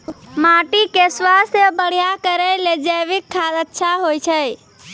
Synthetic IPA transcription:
maʈikeswast̪jəbəɽ̤ijakəɾɛled͡ʒəjʋikʰːad̪ətːʃʰaɦojt͡ʃʰəj

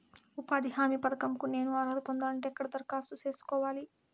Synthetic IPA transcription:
upaːd̪iɦaːmipɐd̪ɐkɐmkune̞ːnuɐɾɐɾupond̪aːniʈɛkːɐɽɐt̪ɐɾkaːsut͡ʃe̞ːsu̥kɔːʋaːli

